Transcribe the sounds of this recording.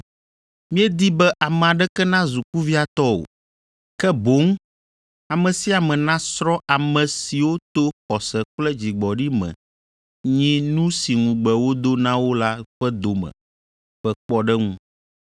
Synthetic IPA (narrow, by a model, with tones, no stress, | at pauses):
mĩ˦ɛ˦d̪i˦bɛ˦ʔa˨mɛ̃˨a˨ɖɛ˦kɛ˦nã˦zu˨ku˦vi˦a˨t̪ɔ˦o̰˨ | kɛ˦bo˨˦ŋ˦ | a˨mɛ̃˨si˦a˨mɛ̃˨nã˦sɾɔ˦ʔa˨mɛ̃˨si˨wo˦t̪o˦xɔ˨sɛ˨k͡plɛ˦d͡ʑi˨ɡ͡bɔ˨ɖi˦mɛ̰̃˨ | ɲĩ˦nũ˦si˨ŋũ˨ɡ͡bɛ˨wo˦d̪o˦nã˦wo˦la˦ɸɛ˦d̪o˨mɛ̰̃˨ | ɸɛ˦k͡pɔ˦ɖɛ˦ŋũ˦